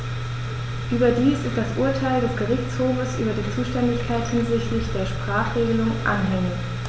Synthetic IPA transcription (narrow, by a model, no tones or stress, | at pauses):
ʔyːbɐdiːsɪstd̥asʔuɐtʰaɪldɛsɡ̥əʁɪçt͡shoːfəsʔy̰ːbɐdiːt͡suːʃtɛndɪçkʰaɪthɪnzɪçtlɪçd̥eːɐʃpʁ̥aːχʁ̥eːɡəlʊŋʔa̰nɦɛŋɪç